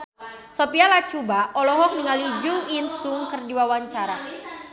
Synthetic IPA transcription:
sɔpialat͡ʃubaʔɔlɔɦɔk̚niŋalid͡ʒuinsuŋkɨrdiwawaɲt͡ʃaɾa

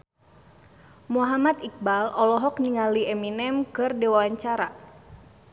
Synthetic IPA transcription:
muɦamat̪ik̚balʔɔlɔɦɔk̚niŋaliɛminɛmkɨrdɛwawaɲt͡ʃaɾa

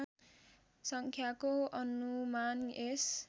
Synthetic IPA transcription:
sʌŋkʰjakoʌnumanes

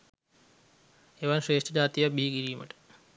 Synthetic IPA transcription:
eːʋaːnɕɾeːʂʈʰɐd͡ʑaːt̪ijabʱiːɡiɾijumɐ̰ʈ

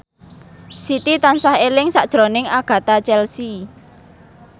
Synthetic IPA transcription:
sit̪it̪ansahelɪŋsaʔd̥ʒ̥ɾonɪŋaɡ̥ä̤t̪at͡ʃɛlsi

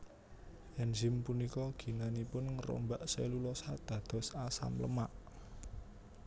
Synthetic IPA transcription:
ɛnzɪmpunikɔɡ̥i̤nanipʊnŋəɾo̰mbaʔselulɔsad̪̥ä̤d̪̥ɔ̤sasa̰mləmaʔ

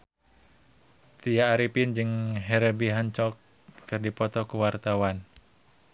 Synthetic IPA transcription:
t̪ijaːɾipind͡ʒɨŋɦɛɾəbiɦaɲt͡ʃɔkː | ɨrdipɔt̪ɔkuwart̪awan

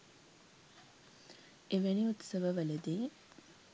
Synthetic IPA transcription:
eʋæniut̪səʋəʋələd̪e

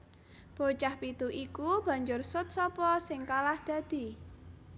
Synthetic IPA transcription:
b̥o̤t͡ʃahpit̪uʔikub̥ä̤ɲd͡ʒʊrsʊt̪̚sɔpɔsɪŋkalahd̪̥ä̤d̪̥i̤

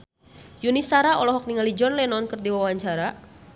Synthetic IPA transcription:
junisaɾaɔlɔɦɔk̚niŋalid͡ʒɔnlɛnɔnkɨrdiwawwaɲt͡ʃaɾa

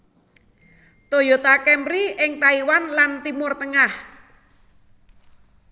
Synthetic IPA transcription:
t̪ojot̪akɛmbɾiɪŋt̪aiwanlant̪imʊrt̪əŋah

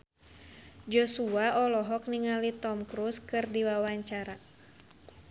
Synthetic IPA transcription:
d͡ʒɔsuaʔɔlɔɦɔk̚niŋalit̪ɔmkɾuskɨrdiwawaɲt͡ʃaɾa

